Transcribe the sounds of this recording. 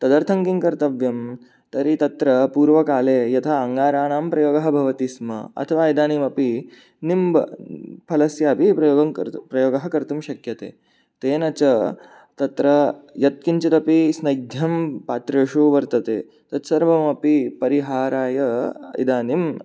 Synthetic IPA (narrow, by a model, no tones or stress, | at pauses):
t̪ɐd̪ɐɾt̪ʰɐŋkiŋkɐɾt̪ɐʋjɐm | t̪ɐɾit̪ɐt̪ɾɐpuːɾʋɐkaːleːjɐt̪ʰɐɐŋɡaːɾaːɳaːmpɾɐjoːɡɐɦɐ̆bʱɐʋɐt̪ismɐ̰ɐ̰t̪ʰɐʋaːid̪aːnimɐpi | nimb̰pʰɐlɐsjaːpipɾɐoːɡɐpɾɐjoːɡɐɦɐkɐɾt̪umʃɐkjɐt̪ḛː | t̪eːnɐt͡ʃɐ | t̪ɐt̪ɾɐjɐt̪̚kiɲt͡ʃit̪ɐpisnɐjd̪ʱjɐmpaːt̪ɾeːʂoːʋɐɾt̪ɐt̪ḛː | t̪ɐt̪sɐɾʋɐmɐpipɐɾiɦaːɾaːjɐḭd̪aːnim